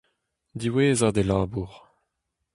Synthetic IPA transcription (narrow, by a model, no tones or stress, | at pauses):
d̪iweːzad̪elaːbuʁ